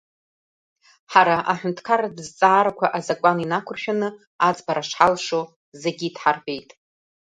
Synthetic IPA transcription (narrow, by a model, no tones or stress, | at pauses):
ħaɾaʔaħʷᶣʊntʰkʰaɾadzt͡sʼaːɾakʷʰaʔazakʷʼaninakʷʰʊrʃᶣanɨ | ad͡zbaɾaʂħalʂo | zeɡʲidħarbe̞jtʼ